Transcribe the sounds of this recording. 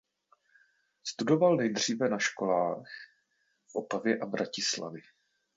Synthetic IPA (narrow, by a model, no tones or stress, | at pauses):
st̪udo̞valnɛjdr̝iːvɛnaʃko̞laːx | fʔo̞pavjɛʔavɾʔacɪsla̰vɪ